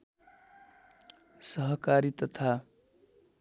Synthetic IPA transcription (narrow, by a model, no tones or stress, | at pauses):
sʌɦʌkaɾit̪ʌt̪ʰa